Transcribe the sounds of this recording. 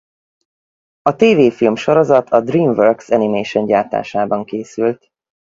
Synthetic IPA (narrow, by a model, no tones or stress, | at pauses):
ɒt̪eːveːfilmʃo̞ɾo̞zɒt̪ʰɒd̪riːɱvørksɛnimeːʃoɲɟaːt̪a̰ːʃaːbɒŋkeːsylt̪